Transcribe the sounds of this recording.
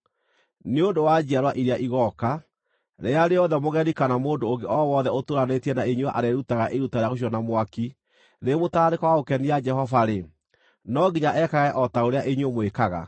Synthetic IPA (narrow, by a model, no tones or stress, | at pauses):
neondowad͡ʑiaɾwaʔiɾeaʔiɣɔka | ɾeaɾeɔðɛmoɣɛɾikanamoːndoːŋɡeʔɔwɔðɛotoɾanetiɛnaeɲwʔa̰ɾɛɾutaɣaʔeɾutaɾeaɣoɕ̬ɔnamwaki | ɾemotaːɾekawaɣokɛniad͡ʒɛhɔvaɾe | nɔɡiɲaʔɛkaɣɛʔɔtaoɾeaʔeɲomwekaɣa̰